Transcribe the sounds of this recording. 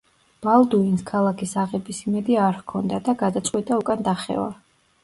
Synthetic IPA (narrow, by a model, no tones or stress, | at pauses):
b̥alˠd̪uinskʰalˠakʰisaʁɛbisimɛd̪iaɾhkʰɔnd̪ad̪aɡad̪at̪sʼqʼwit̪ʼaukʼand̪aχɛ̰va̰